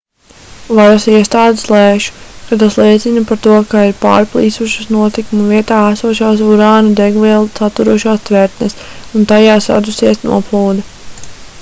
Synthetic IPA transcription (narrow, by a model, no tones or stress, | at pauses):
vaɾasiɛst̪aːd̪eslˠɛːʃu̥kat̪aslˠiɛt̪sinɐpaɾt̪uɔkaiɾpa̰ːɾplˠiːsuʃusnuɔt̪ikumuviɛt̪aːæsuɔʃaːs̬uɾaːnud̪ɛɡviɛlˠsat̪ːuɾuɔʃaːst̪vɛɾt̪nɛsunt̪ajaːsa̰d̪usiɛsnṵɔplˠuːd̪ɛ